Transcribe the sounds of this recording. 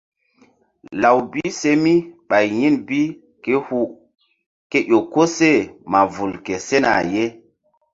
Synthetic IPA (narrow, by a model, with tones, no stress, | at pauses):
la˨wbi˦se˦mi˦ɓa˨jɲi˦nbi˦ | ke˦hu˦ | ke˦ʔo˨ko˦se˦˨ma˨vu˨lke˨se˦na̰˨je˦